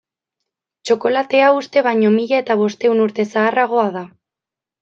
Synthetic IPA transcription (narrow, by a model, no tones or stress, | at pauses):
t͡ʃo̞ko̞lat̪e̞aust̪e̞β̞ajɲo̞miʎae̞t̪aβ̞o̞st̪e̞unuɾt̪e̞saːraɣ̞o̞aða